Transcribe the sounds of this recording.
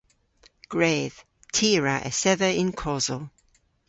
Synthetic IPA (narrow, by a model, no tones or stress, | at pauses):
ɡ̥ɹeːð̥ | tʰiːɹəʔə̰sɛðəɪnkʰɔzəlˠ